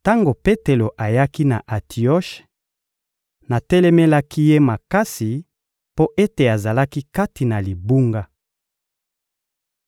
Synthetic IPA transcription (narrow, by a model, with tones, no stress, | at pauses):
ta˦ŋɡo˨pe˦te˨lo˨ʔa˨ja˦ki˦na˨ʔa˨tʰi˨ɔ˦ʃ | na˨tɛ˦lɛ˦me˦la˦ki˦je˦ma˨ka˦si˨ | po˦ʔe˦te˨a˨za˨la˦ki˦ka˦ti˨na˨li˨bu˦ŋɡa˦